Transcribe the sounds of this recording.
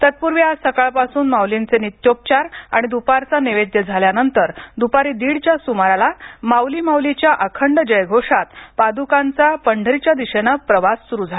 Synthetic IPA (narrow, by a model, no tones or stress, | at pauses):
t̪ət̪̚puɾʋiasəkaɭpasuːnmawlint͡senit̪jop̚t͡ɕaɾa̰ɽ̃id̪upaɾt͡saniʋed̪jəd͡zʱaljanənt̪əɾd̪upaɾiːd̪iɽt͡ɕjasumaɾalamawlimawlit͡ɕjaʔəkʰəɳɖd͡ʑəjɡʱoʂat̪pad̪ukãnt͡sapəɳɖʱəɾit͡ɕjad̪iɕenapɾəʋasːuɾud͡zʱa